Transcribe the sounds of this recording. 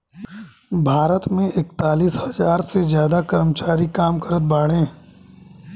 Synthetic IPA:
bʱaːɾət̪mẽɪkt̪aːliːshɐzaːɾsezjaːd̪akəɾmət͡ʃaːɾikaːmkəɾət̪̚baːɽẽː

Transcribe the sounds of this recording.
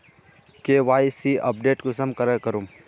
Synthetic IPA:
keːʋaːjsiʔɐ̰p̚ɖeːʈkʊsəmkɐɾəɾkɐɾum

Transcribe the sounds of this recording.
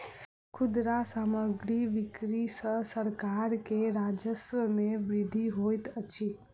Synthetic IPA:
kʰud̪ɾasaməɡɾiʋikɾisəsəɾkaɾkeɾad͡ʒəswəmebɾid̪ʱiɦojt̪ət͡ʃʰi

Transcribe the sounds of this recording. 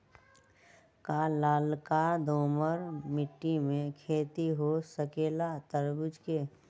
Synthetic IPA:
kalaːlkad̪oːməɾmɪʈːimẽkʰeːt̪iɦosəkeːlat̪əɾɡʊd͡ʒke

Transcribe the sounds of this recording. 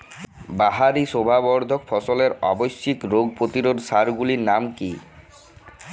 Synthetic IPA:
baɦaɾiʃobʱabɔɾd̪ʱokfɔsoleɾɔbojʃːikɾoɡ̚pɾot̪iɾod̪saɾɡuliɾnamki

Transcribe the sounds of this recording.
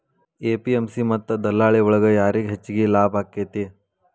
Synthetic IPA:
eːpiemsimɐt̪ːɐd̪ɐlːaːɭiɔɭɐɡɐjaːɾiɡɦet͡ʃːiɡilaːbʱaːkːeːt̪i

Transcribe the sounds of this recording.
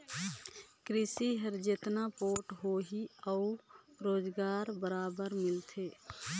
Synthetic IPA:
kɾɪsiɦəɾd͡ʒet̪napoːʈɦoɦiəʊɾoːd͡ʒɡaːɾbəɾaːbəɾmɪlt̪ʰeː

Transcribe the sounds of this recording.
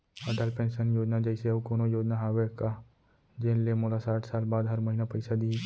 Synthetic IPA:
əɖaːlpẽːnʃənjoːd͡ʒnad͡ʒɛɪseɐbkoːnojoːd͡ʒnaɦaːweka | d͡ʒeːnlemoːlasaːʈʰsaːlbaːd̪ɦɐɾmɐɦinapɐɪsad̪ii

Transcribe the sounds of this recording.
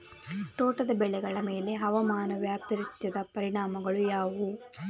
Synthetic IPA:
t̪oːʈɐd̪ɐbɛɭɛɡɐɭɐme̞ːle̞ɦɐʋɐmaːnɐʋjaːpiɾit̪jɐd̪ɐpɐɾiɳaːmɐɡɐɭujaːʋu

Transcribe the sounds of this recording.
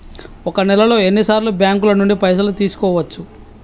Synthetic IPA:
ɔkɐnɛlɐlo̞ːe̞nːisaːɾlubjaːŋkulɐnuɳɖipɐjs̬ɐlut̪iːsu̥kɔːʋɐt͡ʃːu

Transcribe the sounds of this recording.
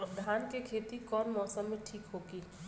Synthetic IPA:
d̪ʱaːnkekʰeːt̪ikɔːnmɔːsəmːẽʈʰiːkɦoːɡiː

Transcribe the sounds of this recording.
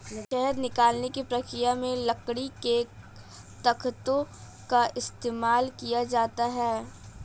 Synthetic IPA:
ʃɛɦɛɾnɪkaːlnekipɾɐkɾijamẽlɐkɽike | t̪ɐkʰt̪õ | kaʔɪst̪eːmaːlkijad͡ʒaːt̪aɦɛː

